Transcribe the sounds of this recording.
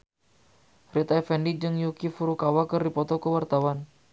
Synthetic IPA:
rit̪ajfɛndid͡ʒɨŋjukifuɾukawakɨrdipɔt̪ɔkəwart̪awan

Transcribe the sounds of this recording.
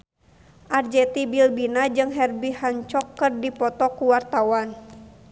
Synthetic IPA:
ʔard͡ʒɛt̪ibilbinad͡ʒɨŋɦɛrbihaɲt͡ʃɔkːɨrdipɔt̪ɔkuwart̪awan

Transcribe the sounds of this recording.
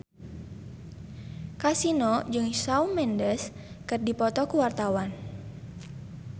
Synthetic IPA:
kasinɔd͡ʒɨŋsaumɛndəskɨrdipɔt̪ɔkuwart̪awan

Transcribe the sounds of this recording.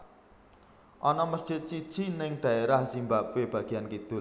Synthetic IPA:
ʔɔnɔmərd͡ʒ̥ɪt̪̚sid̥ʒ̥inɪŋd̪̥ä̤eɾahsimbap̚web̥ä̤ɡ̥i̤ankit̪ʊl

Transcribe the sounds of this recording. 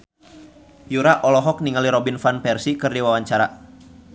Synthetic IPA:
juɾaʔɔlɔɦɔk̚niŋaliɾɔbinfanpɛrsikɨrdiwawaɲt͡ʃaɾa

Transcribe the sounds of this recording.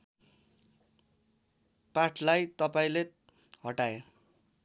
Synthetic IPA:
paʈʰlajt̪ʌpaĩle | ɦʌʈae

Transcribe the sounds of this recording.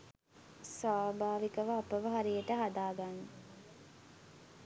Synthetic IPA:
saːbaːʋikəʋəapəʋəɦaɾijəʈəɦad̪aːɡanːə

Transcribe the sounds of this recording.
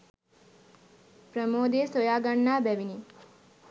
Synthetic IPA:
pɾəmoːd̪eːsojaːɡaɳːaːbɛʋini

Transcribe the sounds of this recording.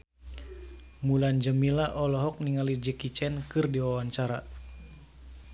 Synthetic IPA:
muland͡ʒəmilaʔɔlɔɦɔk̚niŋalid͡ʒəkit͡ʃɛnkɨrdiwawant͡ʃaɾa

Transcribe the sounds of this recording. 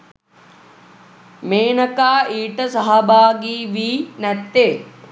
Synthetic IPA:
meːɳɐkaːiːʈɐsɐɦɐbʱaːɡiːʋiːnɐt̪ːeː

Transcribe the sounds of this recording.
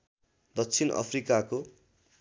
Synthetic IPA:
d̪ʌkt͡sʰinʌ̰pʰrikako

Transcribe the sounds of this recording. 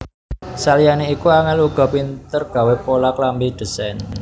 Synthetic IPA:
salijaneikuaŋanluɡ̥ɔ̤pint̪ərɡ̥a̤wepolaklambid̪̥ə̤sɛn

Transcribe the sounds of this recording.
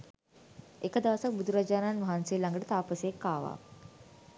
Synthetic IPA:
ekəd̪aʋəsak̚bud̪ʱuɾad͡ʒaːnanʋaɦansiːlaŋɡəʈət̪aːpəsekːaːʋa̰ː

